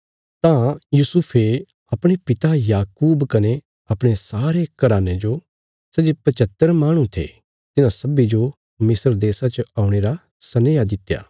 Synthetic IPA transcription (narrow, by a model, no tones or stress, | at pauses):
t̪ãjusʊpʰe | ɐpɽ̃epɪt̪ajaːkuːbkɐne | ɐpɽ̃esaːɾekɐɾaːned͡ʒo | sɛd͡ʒepɐt͡ʃət̪ːəɾmaːɽ̃ũt̪ʰḛ | t̪ɪnãsɐbid͡ʒo | mɪsəɾd̪eːsat͡ʃəaːuɽ̃eːɾa | sɐneːjad̪ɪt̪ːja̰ː